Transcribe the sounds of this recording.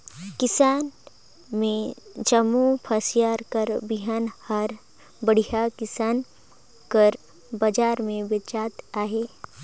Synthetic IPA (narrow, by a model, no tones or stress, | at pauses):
kɪsaːn | mẽd͡ʒəmupʰəsjaːɾkəɾbɪɦənhəɾ | bəɽ̤ijakɪsaːn | kəɾ | bəd͡ʒaːɾmẽbɪt͡ʃaːt̪aːɦeː